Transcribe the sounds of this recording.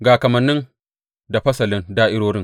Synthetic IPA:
ɡaː˨kɐ˨mɐ˨nːɪ˦ŋ | da˨ɸɐ˦sɐ˨lɪ˦ndaː˦ʔɪ˦ɽoː˦ɽɪ˦ŋ

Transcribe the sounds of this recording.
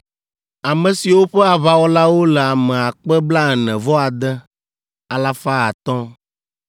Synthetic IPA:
a˨mɛ̃˨si˨wo˦ɸɛ˦a˨βa˨wɔ˦la˦wo˦lɛ˨a˨mɛ̃˨a˨k͡pɛ˦bla˦ɛ˨nɛ̃˨vɔ˦a˨d̪ɛ˦ | a˨la˦fa˦a˨t̪ɔ̃˦

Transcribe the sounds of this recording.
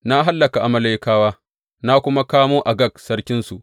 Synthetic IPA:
na˦ɦa˦lːɐ˨ka˨ʔa˨mɐ˨la˦˨jkaː˦waː˦ | na˦kʷʊ˦ma˦kaː˦moː˦ʔa˨ɡɐ˦˨k̚sɐ˦rkʲɪ˦nsu˨ʔ

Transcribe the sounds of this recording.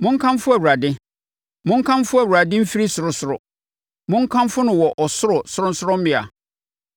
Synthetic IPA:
mʊ̃˦ŋ̩˦kʰã˦mfʊ˦æ˨u˨ɾa˨dɪ̃˦ | mʊ̃˦ŋ̩˦kʰã˦mfʊ˦æ˨wu˨ɾa˨dɪ̃˦m̩˦fi˦ɾi˦sʊ˨ɾʊ˦sʊ˨ɾʊ˨ | mʊ̃˦ŋ̩˦kʰã˦mfʊ˦nʊ̃˨wɔ˨ʔɔ˨sʊ˦ɾʊ˨sʊ˦ɾʊ̃˦n̩˦sʊ˦ɾʊ˦m̩˦ɪ̃˨a̰˨

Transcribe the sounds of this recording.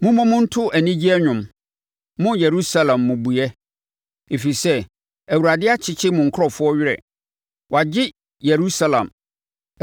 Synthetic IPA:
mʊ̃˦mɔ̃˦mʊ̃˦n̩˦tʰʊ˦ʔæ˨nĩ˦d͡ʑi˦ɛ˦ɲᶣʊ̃˨m | mʊ̃˦jɛ˨ɾu˦sa˦lã˨mːʊ̃˨bu˨jɛ˦ | e˨fi˨sɛ˦ | æ˨wu˨ɾa˨dɪ˦a˦t͡ɕʰɪ˦t͡ɕʰɪ˦mʊ̃˨ŋ̩˨kʰʊ˦ɔ˦˨fʊ˦ɔ˦ɥɪ˦ɾɛ̰˨ | wɔ˨a˨d͡ʑɪ˦ | je˨ɾu˦sa˦lã̰˨m

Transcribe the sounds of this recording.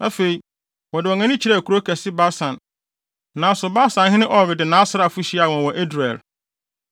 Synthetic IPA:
a˦fe˨i˨ | wɔ˨dɪ˨wɔ˨ŋã˦nɪ̃˦t͡ɕʰi˨ɾa˦˨kʰu˨ɾo˦kʰɛ˨sɪ˦ba˦sã˨n | nã˨˦sʊ˨ba˦sã˨nɦɪ̃˦nɪ̃˦ʔɔ˨vɪ˨dɪ˨nã˦sɾa˨fʊ˦ɕi˦a˨wɔ̃˨n˨wɔ˨ʔe˦dɾɛ˨l

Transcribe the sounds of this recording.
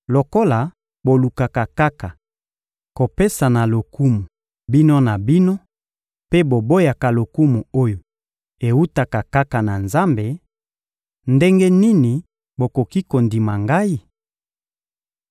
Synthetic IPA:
lo˨ko˦la˨ | bo˨lu˨ka˨ka˨ka˦ka˨ | ko˨pe˦sa˨na˨lo˨ku˦mu˨ | bi˦no˦na˨bi˦no˦ | pe˦bo˨bo˦ja˨ka˨lo˨ku˦mu˨o˦jo˨ | e˨wu˦ta˨ka˨ka˦ka˨na˨nza˦mbe˨ | nde˦ŋɡe˦ni˦ni˨ | bo˨ko˨ki˦ko˨ndi˨ma˨ŋɡa˦i˦

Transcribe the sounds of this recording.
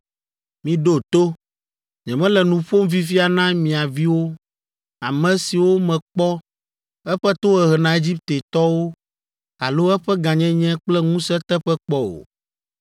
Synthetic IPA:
mĩ˨ɖo˦t̪o˦ | ɲɛ̃˨mɛ̃˦lɛ˨nũ˨ɸo˦mvi˦fi˦a˨nã˦mĩ˨a˨vi˦wo˦ | a˨mɛ̃˨si˨wo˦mɛ̃˨k͡pɔ˦ | ɛ˦ɸɛ˦t̪o˦ɛ˨ɦɛ˨nã˨˦e˦d͡ʑi˦p̚t̪e˨t̪ɔ˦wo˦ | a̰˨lo˦ɛ˦ɸɛ˦ɡã˨ɲɛ̃˦ɲɛ̃˦k͡plɛ˦ŋũ˦sɛ˦t̪ɛ˦ɸɛ˦k͡pɔ˦o̰˨

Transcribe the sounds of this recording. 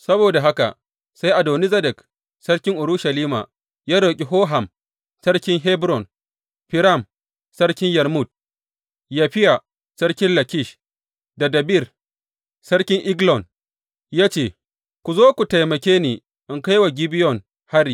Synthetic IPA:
sɐ˦boː˨da˨ɦa˦ka̰˨ʔ | sa˦jʔa˨doː˨ni˦zɐ˦dɛ˨k | sɐ˦ɽkʲɪ˦ŋʔʊ˨ɾʊ˦ʃɐ˨liː˦ma̰˨ | jaː˦ɾoː˨kʲʼi˨ɦoː˦ɦa˨m | sɐ˦ɽkʲɪ˦ŋɦɛ˦bɾɔ˨n | ɸɪ˨ɾa˦˨m | sɐ˦ɽkʲɪ˦ŋjɛ˨ɾmu˦d̚ | jaː˦ɸɪ˦ja˨ | sɐ˦ɽkʲɪ˦nlɐ˨kʲɪ˦˨ʃ | da˨dɐ˨bi˦˨r | sɐ˦ɽkʲɪ˦ŋʔɪ˦ɡlɔ˨n | jaː˦t͡ʃeː˨ | kʷu˨zoː˦kʷu˨ta˨jmɐ˨kʲeː˦neː˨ | ʔɪ˨ŋka˦jwa˨ɡʲi˦bɪ˦jɔ˨ŋ | ha˦ɾiː˨

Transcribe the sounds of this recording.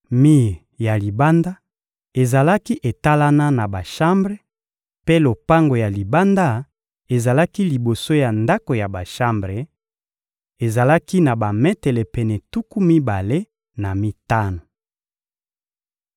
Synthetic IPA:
mi˦˨ja˨li˨ba˦nda˦ | e˨za˨la˦ki˦ʔe˨ta˦la˦na˦na˨ba˨ʃa˦mbʁe˦ | pe˦lo˨pa˦ŋɡo˨ja˨li˨ba˦nda˦ | e˨za˨la˦ki˦li˨bo˨so˦ja˨nda˦ko˨ja˨ba˨ʃa˦mbʁe˨ | e˨za˨la˦ki˦na˨ba˨mɛ˦tɛ˨lɛ˨pɛ˨nɛ˨tu˦ku˦mi˦ba˨le˦ | na˨mi˦ta˦no˨

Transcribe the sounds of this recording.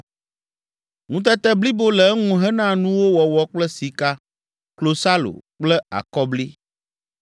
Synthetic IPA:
ŋũ˦t̪̬ɛ˦t̪ɛ˦bli˦bo˦lɛ˨ɛ˦ŋũ˦ɦɛ˦nã˦nũ˦wo˦wɔ˨wɔ˦k͡plɛ˦si˨ka˦ | klo˨sa˦lo̰˨k͡plɛ˦a̰˨kɔ˦bli˦

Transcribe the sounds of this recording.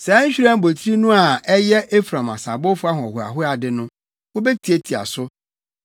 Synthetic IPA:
sɛ˨˦ɲ̩˦ɕᶣi˦ɾã˦m˦bo˨tʰɾi˦nũ˦a˨ɛ˦jɛ˦ʔe˦fɾã˨ma̰˨sã̰˨bʊ˦fʊ˦a˦ɦɔ̃˨ɔ˨ɦʊ˨a̰˨ɦʊ˦a˨dɪ˦nʊ̃˦ | wʊ˦bɛ˦tʰi˨e˦tʰi˨a̰˨sʊ˦

